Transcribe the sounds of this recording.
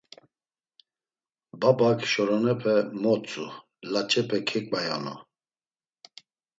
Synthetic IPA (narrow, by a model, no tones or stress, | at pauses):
babakʰʃɔɾɔnɛpʰɛmɔt͡sʼu | lat͡ʃʼɛpʰɛkʰɛkʼaja̰nɔ̰